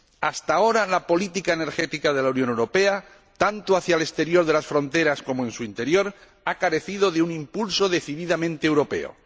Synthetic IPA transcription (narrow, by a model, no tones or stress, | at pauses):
ast̪ao̞ɾalapo̞lit̪ikaene̞ɾxe̞t̪ikaðe̞launjonewɾo̞pe̞a | t̪ant̪oaθjale̞st̪e̞ɾjo̞ɾðe̞lasfɾõ̞nt̪e̞ɾasko̞moe̞nsuint̪e̞ɾjo̞ɾ | akaɾe̞θið̞o̞ðeunimpulso̞ðe̞θiðiðamẽnt̪eːwɾo̞pe̞̰o̰